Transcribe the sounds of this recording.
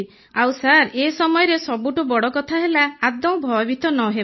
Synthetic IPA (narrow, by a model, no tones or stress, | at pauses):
awsaɾesɔmɔjɔɾesɔbuʈubɔɽɔkɔt̪ʰaɦelaːd̪ɔ̃bʱɔjɔbit̪ʰɔnɔɦe